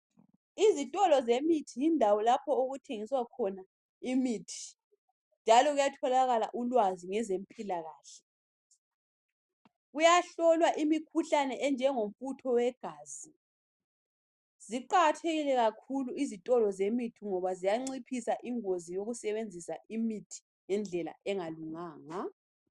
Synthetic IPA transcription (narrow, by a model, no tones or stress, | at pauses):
izitʼɔlɔzemitʰijindʱawɔlapʰɔoɣutʰeŋiswakʰɔna | imitʰi̥ | nd͡ʒʱalɔɣujatʰɔlaɣala̰ʔulwaziŋɛzem̩pʼilaɣaːɬɛ̥ | ɣujaɬɔlwaʔimikʰuɬanɛʔɛnd͡ʒʱɛŋom̩futʰɔwɛɡ̥ʱaːzi | z̥iǃatʰeɣilɛɣakʰuluizitʼɔlɔzemitʰiŋɔβazijaŋ͡ǀipʰisaʔiŋozijoɣusɛβend͡zʱisaʔimitʰi̥ | jɛnd͡ɮʱɛla̰ʔɛŋaluŋaːŋa